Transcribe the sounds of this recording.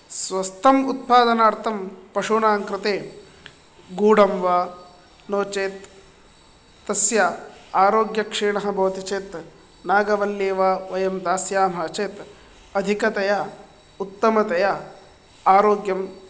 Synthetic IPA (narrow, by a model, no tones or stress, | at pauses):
sʋɐst̪ʰɐmut̪̚paːd̪ɐnaːɾt̪ʰɐmpɐʂuːnaːŋkɾɪt̪eː | ɡuːɽɐmʋaː | noːt͡ʃeːt̪ | ɐsjaaːɾoːɡjɐkʂiːɳɐɦɐ̆bʱɐʋt̪it͡ʃeːt̪ | naːɡɐʋɐljeːʋaːʋɐjɐmd̪aːsjaːmɦɐt͡ʃeːt̪ | ɐd̪ʱikɐt̪ɐja | ut̪ːɐmɐt̪ɐja | aːɾoːɡjɐm